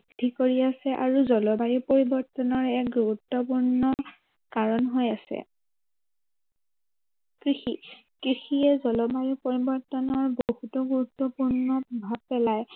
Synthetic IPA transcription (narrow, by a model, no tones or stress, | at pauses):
dʱikoɹiasɛʔa̰ɹuzɔlɔbajipoɹibɔɹtɔnɔɹɛkɡuɹutːɔpuɹnɔ | kaɹɔnɦojasɛ̰ | kɹixikɹixiɛzɔlɔbajipoɹibɔɹtɔnɔɹbohutɔɡuɹutːɔpuɹnɔbʱab̚pɛlaj